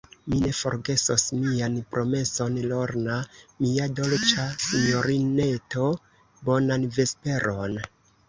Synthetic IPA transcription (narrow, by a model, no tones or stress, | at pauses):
mine̞fo̞̰ɾɡe̞sosmianpɾʔo̞me̞so̞nlo̞ɾnamiado̞lt͡ʃasiɲoɾine̞to̞ | bo̞nanve̞spe̞ɾo̞n